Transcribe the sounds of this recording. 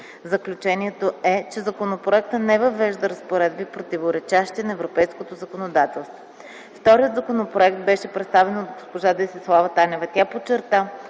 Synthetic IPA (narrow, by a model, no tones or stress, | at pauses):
zəklʲut͡ʃɛniɛt̪oɛt͡ʃɛzɐkonopɾoɛkt̪ənɛvɐvɛʒd̪əɾɐspoɾɛd̪̚bipɾot̪ivoɾɛt͡ʃaʃt̪inɐɛvɾopɛjskot̪ozəkonod̪at̪ɛlˠst̪vo | ft̪ɔɾijəd̪zɐkonopɾoɛk̚t̪bɛʃɛpɾɛt̪st̪avɛnod̪̚ɡospoʒad̪ɛsislˠavət̪anʲɛvɐt̪ʲapot͡ʃːɛɾt̪a